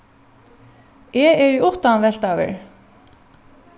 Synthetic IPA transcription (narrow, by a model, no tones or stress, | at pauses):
ɛɛɾiʊht̪aanvɛl̥t̪avɪ̰ɹ